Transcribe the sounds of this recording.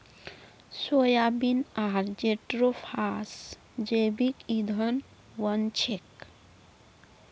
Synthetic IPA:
sojabinaɾd͡ʒeʈɾopʰas | d͡ʒebikid̪ʱən | wənt͡ʃʰek

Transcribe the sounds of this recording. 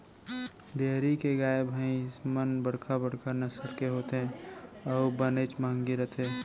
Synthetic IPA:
beːɦɾikeɡaːebʱaːĩsmənbəɽ̤kʰabəɽ̤kəɾnəsəɽkeɦoːt̪eɦɛ̃ɔːbənet͡ʃmãŋɡiɾət̪ʰe

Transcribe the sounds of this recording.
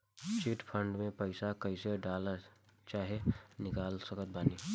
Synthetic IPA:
t͡ʃiʈpʰə̃ɳɖmẽpəɪsakəɪseɖaːlat͡ʃaːɦenɪkaːlsəkət̪̚baːniː

